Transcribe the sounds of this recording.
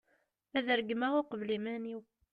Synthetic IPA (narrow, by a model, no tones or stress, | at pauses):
æðəɾəɡmæʁʊqvlimæniw